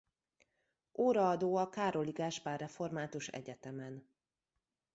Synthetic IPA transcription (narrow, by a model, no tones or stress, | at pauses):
ʔoːɾɒɒd̪oːɒkaːɾo̞liɡaːʃpaːrːɛfo̞rmaːt̪uʃɛ̰ɟɛt̪ɛmɛn